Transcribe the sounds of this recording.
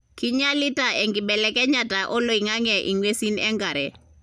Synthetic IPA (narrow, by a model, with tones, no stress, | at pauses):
ki˦ɲa˦li˦ta˨ɛ˨ŋɡɪ˨ɓɛ˨lɛ˨kɛ˦ɲa˨ta˨ʔɔ˦lo˨i˨ŋa˦ŋɛ˨ʔi˨ŋwe˦si˦nɛ˦ŋɡa˨ɾɛ˨